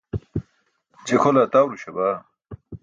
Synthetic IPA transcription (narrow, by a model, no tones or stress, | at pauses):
d͡ʑekʰolat̪aːwɾuɕɐbaː